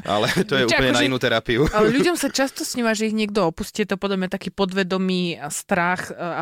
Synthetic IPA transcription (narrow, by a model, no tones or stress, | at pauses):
ʔa̰lɛt̪ɔjɛut͡ʃp̩ɲɛnainuːt̪ɛɾapiuʎuɟɔmsat͡ʃast̪ɔsɲiʋaʒɛiɣɲɪɛɡ̚d̪ɔɔpusciɛt̪ɔpɔd̪labɲat̪akiːpɔd̪ʋɛd̪ɔmiːst̪ɾaxa